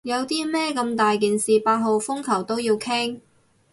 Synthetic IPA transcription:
jɐ˨˧wt̪iː˥mɛː˥kɐ˧mt̪aː˨jk̬iː˨nsiː˨paː˧t̚ɦo˨wfʊ˥ŋkʰɐ˨˩wt̪o˥wjiː˧wkʰɛ˥ŋ

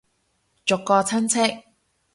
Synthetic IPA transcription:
t͡ʃʊ˨kːɔː˧t͡sʰɐ˥nt͡sʰɪ˥k̚

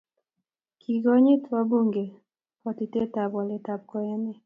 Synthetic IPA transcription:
kʰi˨ɡɔ˦ɲi˦tʰwa˦bu˦ŋɡe˨ | pɔ˨ti˨te˦ta˨bɔ˨lɛ˨ta˨b̚kɔ˨ɛ˦nɛ˦

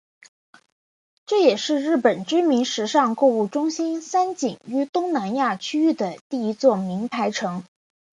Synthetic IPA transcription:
ʈ͡ʂɤ˥˩jɛ˨˩ʂɻ̩˥˧ɻɻ̩˥˩pə˨˩nʈ͡ʂy˥mi˧˥nʂɻ̩˧˥ʂɑ˥˧ŋkɔ˥˧u˥˩ʈ͡ʂʊ˥ŋɕi˥nsa˥nt͡ɕi˨˩ŋy˥t̪ʊ˥ŋna˧˥nja˥˩t͡ɕʰy˥y˥˩d̪ə˩t̪i˥˩i˧˥t͡swɔ˥˩mi˧˥npʰa˧˥ɪʈ͡ʂʰɤ˧˥ŋ

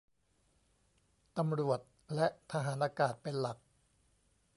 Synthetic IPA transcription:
t̪a˧mɾu˨˩ət̪̚ | lɛ˦˥ʔt̪ʰa˧ɦaː˩˦nʔaː˧kaː˨˩t̪̚pe˧nla˨˩k̚

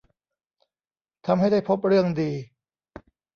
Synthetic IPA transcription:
t̪ʰa˧mɦa˥˩jda˥˩jpʰo˦˥p̚ɾɯ˥˩əŋdiː˧

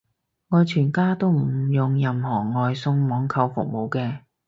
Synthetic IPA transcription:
ŋɔː˨˧jt͡ʃʰyː˨˩nkaː˥t̪o˥wm̩˨˩jʊ˨ŋjɐ˨mhɔː˨˩ŋɔː˨jsʊ˧ŋmɔː˨˥ŋkʰɐ˧wfʊ̰˨k̚mo˨wkɛː˧

